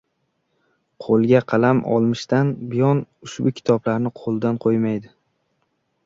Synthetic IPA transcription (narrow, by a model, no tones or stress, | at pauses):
qʰolˠɡʲaqʰɑlamʔɒ̰lˠmɪʃt̪anbɪjɒnʊʃbʊkʲʰɪ̥t̪ʰɒblaɾnɪqʰolˠd̪anqʰojmajd̪ɪ